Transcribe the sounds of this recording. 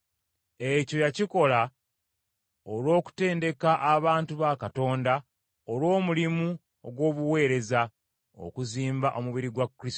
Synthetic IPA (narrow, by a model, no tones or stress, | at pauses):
e̞co̞jaciko̞la | olwo̞ːku̥te̞ːnde̞kaʔaβaːntuβakato̞ːnda | olwo̞ːmulimu | oɡwo̞ːβuwe̞ːɾe̞za | o̰kuziːmbaʔo̞muβiɾiɡwakːɾis